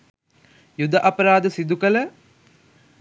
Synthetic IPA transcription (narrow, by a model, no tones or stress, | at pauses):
jud̪aʔapəɾaːd̪əsid̪ukələ